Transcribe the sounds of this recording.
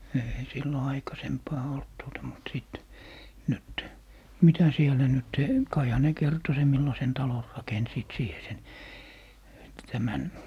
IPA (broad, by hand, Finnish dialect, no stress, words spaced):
ei silːo ɑikɑsempɑː olt tuotɑ mut siˑt nyt mitæ sielæ nyt kɑihɑ ne kerto sem milːɑsen tɑlon rɑkensiːt siːhe sen tæmæn